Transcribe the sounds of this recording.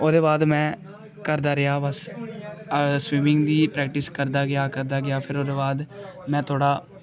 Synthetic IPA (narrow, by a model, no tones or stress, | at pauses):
oːd̪eːbaːd̪mɛ̃ː | kəɾd̪aːɾɪjaːbəs | swiːmɪŋɡd̪iːpɾɛːk̚ʈɪskəɾd̪aːɡɪjaːkəɾd̪aːɡɪaːpʰɪɾoːd̪eːbaːd̪mɛ̃ːt̪ʰoːɽaː